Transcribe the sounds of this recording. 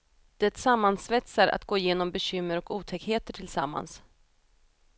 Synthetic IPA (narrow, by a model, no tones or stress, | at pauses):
d̪̥ɛt̪samːansvɛt̪saɾa̰t̪ɡoːjeːnɔmbɛɕʏmːəɾɔkuːt̪ʰɛkheːt̪əʈʰɪlsamːa̰ns